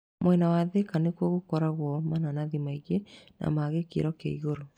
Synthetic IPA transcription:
mwɛnawaðekanekwɔɣokɔɾaɣwɔmananaðimaiɣenʔa̰maɣekḛɾɔkaiɣoɾo

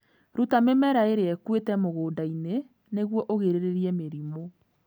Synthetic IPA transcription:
ɾutamemɛɾaeɾeɛkwetɛmoɣoːdaine | neɣwɔʔoɣeɾeɾeɾiɛmeɾimo

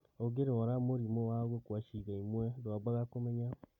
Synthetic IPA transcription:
oɡeɾeɔɾamoɾimowaɣwokwaʃiɣaimwɛdwabaɣakomɛɲa

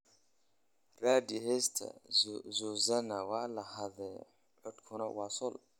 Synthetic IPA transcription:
raːd̪ɪɦɛst̪ʰɐ̰zuzɐnɐwaːlɐhɐðɛ | ʕɔd̪kʰʊnɐwɑːsʊl

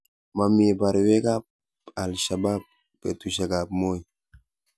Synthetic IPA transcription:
mamiebaɾiwekap̚ | alʃabapː | ɛt̪usaɡapmoj

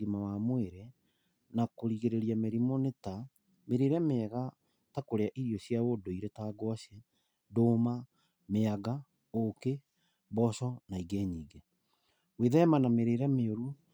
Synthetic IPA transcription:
imawamweɾɛ | nakoɾiɣeɾeɾiameɾimoneta | meɾeɾameɛɣa | takoɾeaʔiɾiɔsjaodoiɾetaːɡwaɕjɛ | doːma | meaɡa | oke | βɔsɔnaiɡeːɲiːɡe | weðɛmanameɾeːɾameoɾu

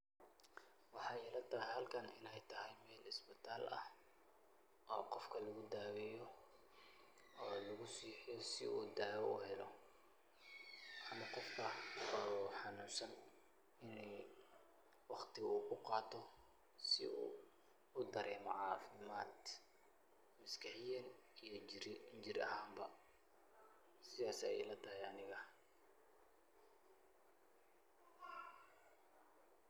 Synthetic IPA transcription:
wɑħɑːjɛlɐt̪ʰɐɦɪhɐlkʰɐnɪ̰laːjt̪ʰɐɦɛjmɛːlɪsbɪt̪ʰaːlɐ̰h | ʔɔːqɔfkʰɐlɐɣʊd̪aːwɪjɔ | ɔːlɐɣʊsiːħɪjɔsɪ̰uːd̪aːjɔʊ̰hɛlɔ | ʔɐnɐqɔfkʰɐɔħɑnuːsɐn | ɪnɛj | wɑχt̪ʰɪuːkʰʊqɑːt̪ʰɔ | sɪ̰ṵː | ʊd̪ɐɾɛːmɔʕɑːfɪmaːd̪ | mɐskʰɑħɪjɐnijɞd͡ʒɪɾɐ̰ɦaːmbɐ | sɪðaːsɛɛ̰jlɐd̪ɐɦɛjɐnɪɣɐ

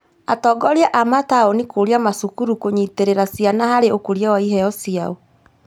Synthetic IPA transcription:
atɔːɡɔɾjaʔamataonikoɾiamasukuɾukoɲiteɾeɾasianahaɾeʔokoɾjawaiɦɛɔsiao

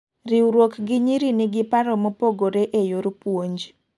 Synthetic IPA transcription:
riuɾwokɡɪɲiɾiniɡɪpaɾomopoɡoɾeʔejoɾpwoɲd͡ʒ

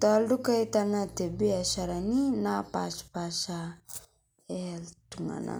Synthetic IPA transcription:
taaldukajtanatebiasaɾaninapa̰spasa | eltuŋa̰na̰

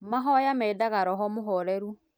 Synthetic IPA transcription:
maɦɔjamɛidaɣaɾɔɦɔmoɦɔɾɛɾu

